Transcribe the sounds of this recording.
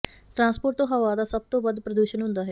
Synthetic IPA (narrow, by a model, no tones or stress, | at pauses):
ʈɾãːspoːɾʈt̪õːɦəʋaːd̪aːsəb̚t̪õːbəd̪pɾəd̪uːʃənɦʊ̃nd̪aːɦɛː